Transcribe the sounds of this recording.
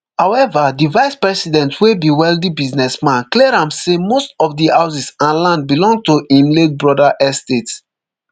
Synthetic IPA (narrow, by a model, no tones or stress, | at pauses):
hawɛvadivaɪspɹɛsidɛ̃ntwebiwɛldibiznɛsmãnkleɹãmsemostɔfdihaʊs̬isãnlãnd̚bilɔ̃ŋɡ̚tuʔĩnlet̚bɹɔdaʔɛstets